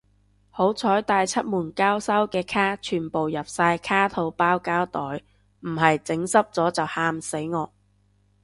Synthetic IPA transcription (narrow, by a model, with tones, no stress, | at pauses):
ho˨˥wt͡sʰɔː˨˥jt̪aː˧jt͡sʰɐ˥t̚muː˨˩nkaː˥wsɐ˥wkɛː˧kʰaː˥t͡ʃʰyː˨˩npo˨wjɐ˨p̚saː˧jkʰaː˥t̪ʰo˧wpaː˥wkaː˥wt̪ɔː˨˥j | m̩˨˩hɐ˨jt͡sɪ˨˥ŋsɐ˥p̚t͡sɔː˨˥t͡sɐ˨whaː˧˥mse˨˥jŋɔː˨˧